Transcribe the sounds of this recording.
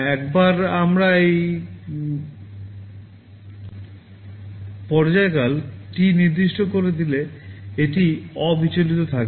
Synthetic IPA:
ɛkbaɾamɾaej | pɔɾd͡ʑaekalʈiniɾd̪iʃʈokoɾed̪ileeʈiɔbit͡ɕolit̪ot̪ʰak

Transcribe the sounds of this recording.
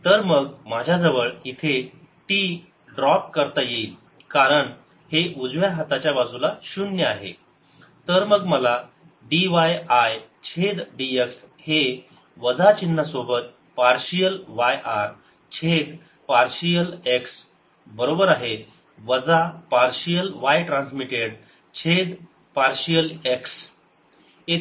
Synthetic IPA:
t̪əɾməɡmad͡ʑʱjad͡zəʋəɭit̪ʰe | ʈi | ɖɾɔp̚kəɾt̪ajeil | kaɾəɳ | heʔud͡zʋjaɦat̪at͡ɕjabad͡zulaɕunjəaɦḛ | t̪əɾməɡməla | ɖiʋajajt͡ɕʰed̪ɖiekshe | ʋəd͡zat͡ɕinːasobət̪̚ | paɾɕijəlʋajʔaɾ | t͡ɕʰed̪ | paɾɕijəleks | bəɾobəɾaɦe | ʋəd͡zapaɾɕijəlʋajʈɾansmiʈeɽ | t͡ɕʰed̪ | paɾɕjəleks | e

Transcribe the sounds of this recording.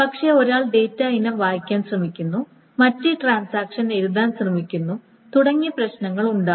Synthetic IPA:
pɐkʂe̞o̞ɾaːɭɖe̞ːtːainɐmʋaːjikʲːaːnɕrɐmikʲːunːu | mɐtːiʈraːnsaːkʂɐne̞ɾuðaːnɕrɐmikʲːunːu | t̪uɽɐŋːiprɐɕnɐŋːɐɭuɳɖaː

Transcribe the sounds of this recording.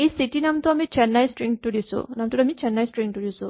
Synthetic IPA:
ejsitinamt̪uamit͡ʃʰɛnːajsʈɹiŋtudisṵnamt̪uamit͡ʃʰɛnːajsʈɹiŋtuɾisu

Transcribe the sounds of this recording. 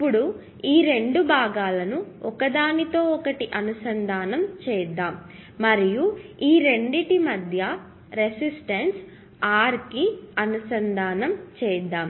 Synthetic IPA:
ipːuɽu | iːɾe̞ɳɖubʱaːɡaːlɐnuɔkɐd̪aːnit̪o̞ːɔkɐʈiʔɐnusɐnd̪ʱaːnɐmt͡ʃɛːd̪ːaːmː | ɐɾijuiːɾe̞ɳɖiʈimɐd̪ʱjɐ | ɾesisʈɐns | aːɾkiɐnusɐnd̪aːnɐmt͡ʃɛːd̪ːaːm

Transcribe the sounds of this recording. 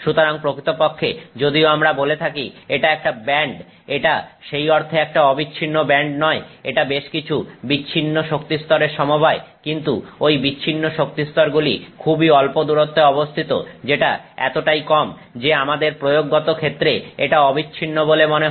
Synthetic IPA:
ʃut̪oɾaŋpɾokɾit̪opokʰːed͡ʑod̪ioamɾabolet̪ʰakieʈaɛk̚ʈabɛɳɖ | eʈaʃejɔɾt̪ʰeɛk̚ʈaɔbiːɕʰinːobɛɳɖnɔeeʈabeʃkit͡ɕʰubiːɕʰinːoʃokt̪ist̪ɔɾeɾʃɔmobʱaekint̪uojbit͡ɕːɕʰinːoʃok̚t̪ist̪ɔɾɡulikʰubiɔlpod̪uɾot̪ːeɔbost̪ʰit̪o̰d͡ʑeʈaɛ̰t̪oʈajkɔm | d͡ʑeamad̪eɾpɾojoɡːot̪okʰet̪ːɾeeʈaɔbiːɕʰinːobolemone

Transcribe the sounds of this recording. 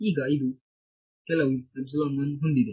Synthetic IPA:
iːɡaːjd̪u | kɛlɐwiɐbsulamnɐnɦund̪id̪ɛ

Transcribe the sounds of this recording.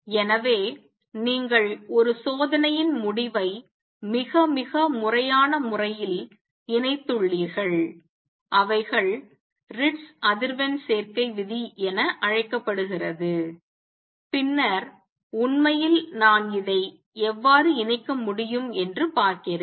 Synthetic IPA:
ɛnɐʋeː | niːŋɡɐɭɔɾɯsoːðɐnɐjɪnmʊɽɪʋɐɪ | mɪɣɐmɪɣɐmʊrɐjaːnɐmʊrɐjɪl | ɪnɐɪt̪ːɯɭːiːɾɣɐɭ | ʔɐʋɐɪɣɐɭ | ɾɪʈsʔɐðɪɾʋɐnseːɾkɐɪʋɪðiʔɛnɐʔɐɻɐɪkːɐpːɐɽɯɣɪrɐðɯ | pɪnːɐɾ | ʊnmɐjɪlnaːnɪðɐɪ | ɛʋːaːɾɯɪnɐɪkːɐmʊɽɪjɯmɛndrɯpaːɾkɪɾ

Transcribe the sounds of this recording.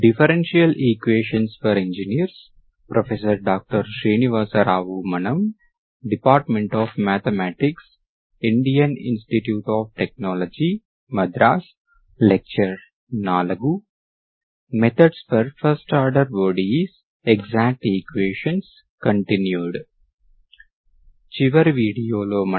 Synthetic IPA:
ɖifəɾẽnʃiɐlʔiːkʋeːʃə̃nsfɔɾẽɲd͡ʒiniəɾs | pɾɔfesəɾɖɔːk̚ʈəɾʃɾiːniʋaːsəɾaːʋumɐnɐ̃m | ɖipaːɾʈmẽɳʈɔːfmæːt̪ʰemæːʈɪks | ɪ̃ɳɖijɐ̃nɪ̰̃nsʈiʈjuːʈɔːʋʈek̚nɔːlɔd͡ʒi | mɐd̪ɾaːs | lek̚t͡ʃəɾ | naːlɐɡu | met̪ʰəɖsfɔɾfɐɾsʈɐɾɖəɾʋɔːɖis | eɡzæːk̚ʈekweːʃɐ̃ns | kɐ̃ɳʈinjuːɖ | t͡ʃiʋɐɾʋiːɖijoːloːm

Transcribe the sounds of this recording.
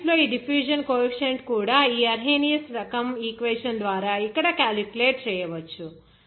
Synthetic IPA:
ploiɖifjuːʒənkoːiʃeɳʈkuːɽaiɐɾɦeːnijəsɾɐkəmikʋeːʃənd̪ʋaːɾaikəɽakaːlikuleːʈt͡ʃɐjəʋət͡ʃʰu

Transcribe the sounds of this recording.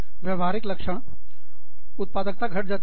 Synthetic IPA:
ʋjəʋaɾɪkləkʂəɽ̃ | ʊt̪̚paːd̪ək̚t̪aɡʱəʈ̚d͡zat̪

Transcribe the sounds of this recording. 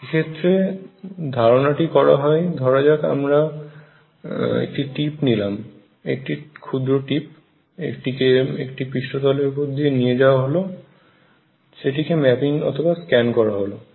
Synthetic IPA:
ekʰet̪ːɾe | d̪ʱaɾonaʈikɔɾa̰ɦɔed̪ʱɔɾad͡ʑaka̰mɾa | ḛk̚ʈiʈipnilam | ḛk̚ʈikʰud̪ɾoʈip̚ | ḛkʈikeḛkʈipɾiʃʈot̪ɔleɾupod̪ʱienied͡ʑaoaɦolo | ʃeʈikemɛpiŋɔ̰t̪ʰobaskɛnkɔɾaɦolo

